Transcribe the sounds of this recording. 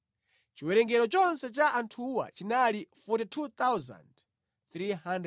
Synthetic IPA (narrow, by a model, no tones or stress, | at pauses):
t͡ʃiwɛɾɛŋɡɛɾɔt͡ʃɔnsɛt͡ʃaʔantʰuwa̰t͡ʃinalifutitʰut̪awza̰nd | θɾiɦand